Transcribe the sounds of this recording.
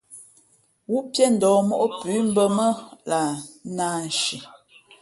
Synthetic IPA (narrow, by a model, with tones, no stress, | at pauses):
wu˦ʔpjɛ˦n̩˨dɔː˨mɔ˦ʔo˦pʉ˨˦m̩˦bə˦mə˦la˨naː˦n˨ʃi˨